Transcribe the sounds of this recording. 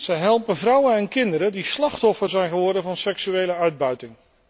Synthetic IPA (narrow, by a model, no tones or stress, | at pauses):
z̥ɛjɦɛlˠpənvrʌwənɛnkɪndəɾədislɑχtɔfəɹzɛjnχəʋɔɹdəvɑnsɛksyejləœɥd̚bœɥtɪŋ